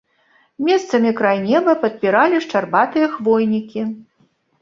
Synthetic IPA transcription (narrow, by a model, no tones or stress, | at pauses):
mʲɛst̪sɐmʲikɾajnʲɛvɐpɐt̪̚pʲiɾalʲiʂt͡ʂarbat̪ɨjɐxvɔjnʲikʲi